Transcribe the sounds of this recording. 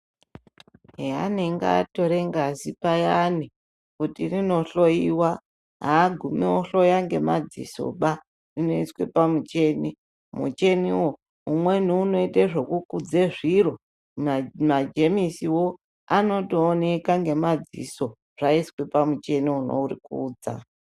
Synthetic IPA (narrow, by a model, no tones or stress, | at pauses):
ɦea̰neŋɡa̰ːto̞ɾe̞ŋɡazipajani | kutirino̞ɬoiwa | ɦaːɡʱumiwoɬo̞jaŋɡe̞mad͡zḭso̰ɓa | rino̞iswe̞pamut͡ʃe̞ni | mṵt͡ʃe̞niwo̞ | umwe̞niuno̞iteʐokukud͡zeʐiro̞ | mad͡ʒe̞misiwo̞ | ano̞toːne̞kaŋɡe̞mad͡zḭso̞ | ʐ̥aiswepamut͡ʃe̞niuno̰urikuːd͡za̰